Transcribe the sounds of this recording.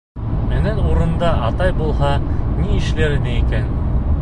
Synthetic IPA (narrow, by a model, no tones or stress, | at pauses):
mɘ̆nænuɾɤ̆nd̪ɑʔɑt̪ɑjbulˠɦɑniɘ̆ʃlæɾɘ̆nɘikæn